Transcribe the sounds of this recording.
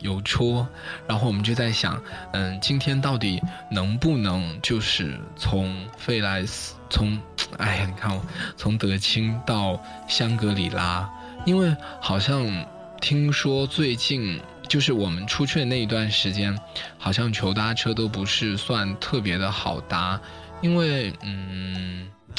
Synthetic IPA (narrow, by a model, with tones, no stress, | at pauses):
jo˨˩ʊʈ͡ʂʰɔ˥ɻa˧˥nxo˥˩wɔ˨˩ə˦t͡ɕjo˥˧t͡sa˥˩ɪɕjɑ̰˨˩˦ŋə˥˧t͡ɕi˥nt̪ʰjɛ˥nt̪ɑ˥˩ʊt̪i˨˩nɤ˧˥ŋpu˥˩nɤ˧˥ŋt͡ɕjo˥˧ʊʂɻ̩˥˩t͡sʰʊ˧˥ŋfe˥˩ɪla˧˥ɪst͡sʰʊ˧˥ŋa̰˧˥˩ɪ˩ni˨˩kʰa˥˩nwɔ˨˩t͡sʰʊ˧˥ŋt̪ɤ˧˥t͡ɕʰi˥ŋt̪ɑ˥˩ʊ | ɕjɑ˥ŋkɤ˧˥li˨˩la˥ | i˥nwe˥˩ɪxɑ˨˩ʊɕjɑ˥˧ŋ | t̪ʰi˥ŋʂwɔ˥t͡swe˥˧ɪt͡ɕi˥˧n | t͡ɕjo˥˧ʊʂɻ̩˥˩wɔ˨˩mə˦nʈ͡ʂʰu˥t͡ɕʰy˥na˥˩i˧˥t̪̬wa˥˩nʂɻ̩˧˥t͡ɕjɛ˥nxɑ˨˩ʊɕ̬jɑ˥˩ŋt͡ɕʰjo˧˥ʊt̪a˥ʈ͡ʂʰɤ˥t̪o˥ʊp̬u˧˥ʂɻ̩˥˧swa˥˧nt̪ʰɤ˥˩p̬jɛ˧˥d̪ə˧xɑ˨˩ʊt̪a˥ | i˥nwe˥˩ɪn̩˥˩